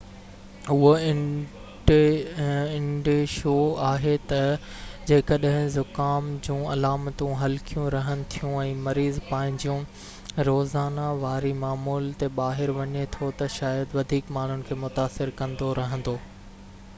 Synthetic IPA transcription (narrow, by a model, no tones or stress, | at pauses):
ʊɦoɪ | ɪ̃ɳɖeʃoːaːɦet̪ɐd͡ʑeːkɐɗɦɪ̃zʊkaːmd͡ʑũːɐlaːmt̪ũɦɐlkijũɾɐɦənɪ̆t̪ʰijũɛ̃ːmɐɾiːzpaːɦɪ̃ɲd͡ʑijũ | ɾoːzaːnaʋaːɾimaːmuːlt̪eɓaːɦɪɾʋɐɲet̪ʰot̪ɐʃaːjəd̪ʋɐd̪ʱiːkmaːɳ̤ʊnɪ̆kʰeːmʊt̪aːsɪɾkɐ̃nd̪oɾɐɦə̃nd̪oː